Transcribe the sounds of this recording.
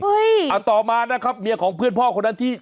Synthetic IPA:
hɤ˦˥ja˨˩t̪ɔː˨˩maː˧na˦˥kʰa˦˥p̚mi˧əkʰɔː˩˦ŋpʰɯ˥˩ənpʰɔː˥˩kʰo˧nːa˦˥nt̪ʰiː˥˩

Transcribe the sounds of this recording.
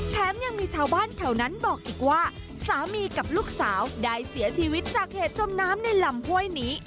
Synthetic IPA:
t̪ʰɛː˦˥mja˧ŋmiː˧t͡ɕʰaː˧wbaː˥˩nt̪ʰɛ˨˩wna˦˥nbɔː˨˩k̚ʔiː˨˩k̚waː˥˩ | saː˩˦miː˧ka˨˩p̚luː˥˩k̚saː˩˦wdaː˥˩jsi˩˦ɐt͡ɕʰiː˧wi˦˥t̪̚t͡ɕaː˨˩k̚heː˨˩t̪̚t͡ɕo˧mnaː˦˥mna˧jla˧mhu˥˩əjniː˦˥

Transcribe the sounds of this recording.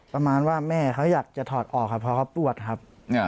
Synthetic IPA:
pɾa˧maː˧nwaː˥˩mɛː˥˩kʰa˦˥wjaː˨˩k̚t͡ɕa˨˩t̪ʰɔː˨˩t̪̚ʔɔː˨˩k̚ʰːa˦˥pʰːɔː˧˥kʰa˦˥wpu˧˩ət̪̚kʰa˦˥p̚

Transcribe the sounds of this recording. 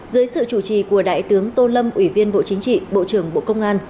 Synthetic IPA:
zɨ˨˦jsɨ̰˧˨t͡ɕu˧˩t͡ɕḭ˧˩ku˧˩əɗa̰ː˧˨jt̪ɨ˨˦əŋt̪o˧lə˧mʔwi˧˩vi˧ənɓo̰˧˨t͡ɕï˨˦ŋt͡ɕḭ˧˨ɓo̰˧˨t͡ɕɨ˧˩əŋɓo̰˧˨kə˧wŋ͡mʔaː˧n

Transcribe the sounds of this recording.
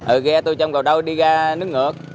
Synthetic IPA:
ʔəː˨˩ɣɛ˧t̪u˧jt͡ɕɔ˧wŋ͡mkə˨˩ɗə˧wɗi˧ɣaː˧nɨ˦˥ək̚ŋə˨˩ək̚

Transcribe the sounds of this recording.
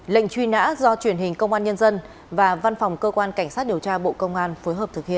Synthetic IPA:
lə̰˧˨jŋ̟t͡ɕwi˧na̰ː˧˥zɔ˧t͡ɕwi˧˩ənɦï˨˩ŋ̟kə˧wŋ͡mʔaː˧nɲə˧nzə˧n | vaː˨˩va˧nfa˨˩wŋ͡mkəː˧kwaː˧nka˧˩jŋ̟saː˦˥t̚ɗi˨˩əwt͡ɕaː˧ɓo̰˧˨kə˧wŋ͡mʔaː˧nfo˨˦jɦəː˨˩p̚t̪ʰɨ˨˩k̚hḭ˧˨ə˨

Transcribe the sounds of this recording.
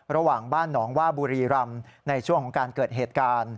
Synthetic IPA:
ɾa˧waː˨˩ŋbaː˥˩nːɔː˩˦ŋwaː˥˩buː˧ɾiː˧ɾa˧mna˧jt͡ɕʰu˥˩əŋkʰɔ˩˦ŋkaː˧nkɤː˨˩t̪̚ɦeː˨˩t̪̚kaː˧n

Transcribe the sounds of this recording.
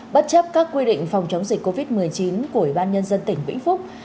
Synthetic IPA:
ɓə˦˥t̚t͡ɕə˦˥p̚kaː˦˥kːwi˧ɗḭ˧˨ŋ̟fa˨˩wŋ͡mt͡ɕə˨˦wŋ͡mzi˨˩k̟̚ʲko˧vi˦˥t̚mɨ˨˩əjt͡ɕi˨˦nku˧˩əhi˧˩ɓaː˧nɲə˧nzə˧nt̪ï˧˩ŋ̟ɓḭ˧˥ŋ̟fʊ˦˥k͡p̚

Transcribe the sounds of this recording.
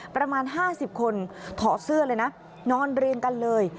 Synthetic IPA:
pɾa˧maː˧nɦaː˥˩si˨˩p̚kʰo˧nt̪ʰɔː˨˩˦sɯ˥˩ɐlɤː˧jna˦˥ | nɔː˧˥˩nɾi˧əŋka˧nlɤː˧j

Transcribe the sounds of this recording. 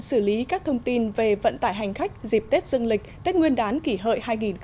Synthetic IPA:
sɨ˧˩li˨˦kaː˦˥k̚t̪ʰə˧wŋ͡mt̪i˧nve˨˩və̰˧˨nt̪aː˧˩jɦa˨˩jŋ̟xa˦˥jk̚zi˨˩p̚t̪e˦˥t̚zɨ˧əŋlï˨˩k̟̚t̪e˦˥t̚ŋwi˧ənɗaː˨˦nki˧˩ɦə̰˧˨jhaː˧jŋi˨˩nk

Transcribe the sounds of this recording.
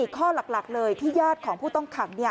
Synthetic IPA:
iː˨˩kʰːɔː˥˩la˨˩k̚la˨˩k̚lɤː˧jt̪ʰiː˥˩jaː˥˩t̪̚kʰɔː˩˦ŋpʰuː˥˩t̪ɔ˥˩ŋkʰa˨˩˦ŋni˥˩ɐ

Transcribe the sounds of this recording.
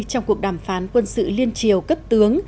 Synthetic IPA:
t͡ɕɔ˧wŋ͡mku˨˩ək̚ɗaː˧˩mfaː˨˦nkwə˧nsɨ̰˧˨li˧ənt͡ɕi˨˩əwkə˦˥p̚t̪ɨ˨˦əŋ

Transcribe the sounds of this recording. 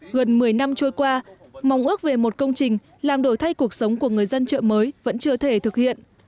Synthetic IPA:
ɣə˨˩nmɨ˨˩əjna˧mt͡ɕo˧jkwaː˧ma˨˦wŋ͡mʔɨ˦˥ək̚ve˨˩mo˨˩t̚kə˧wŋ͡mt͡ɕï˨˩ŋ̟ | laː˨˩mɗo˧˩jt̪ʰa˧jku˨˩ək̚sə˨˦wŋ͡mku˧˩əŋɨ˨˩əjzə˧nt͡ɕə̰ː˧˨məː˨˦jvə̰˧˥nt͡ɕɨ˧ət̪ʰe˧˩t̪ʰɨ˨˩k̚hḭ˧˨ənʔ

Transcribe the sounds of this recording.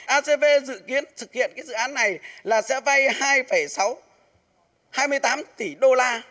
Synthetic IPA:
ʔaː˧se˧ve˧zɨ̰˧˨ki˨˦ənt̪ʰɨ˨˩k̚hḭ˧˨ənkaː˨˦jzɨ̰˧˨ʔaː˨˦nːa˨˩jlaː˨˩sɛ̰˧˥va˧jhaː˧jfə˧˩jsa˨˦w | haː˧jmɨ˧əjt̪aː˨˦mt̪i˧˩ɗo˧laː˧

